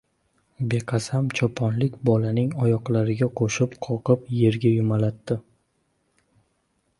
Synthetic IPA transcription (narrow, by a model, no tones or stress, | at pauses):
be̞qʰɑsamt͡ʃʰɒpʰɒnlɪkʲbɒlanɪŋɒjɒqlˠaɾɪɡʲaqʰoʃɪpqʰɒqɨpje̞ɾɡʲajʊmalat̪ːɪ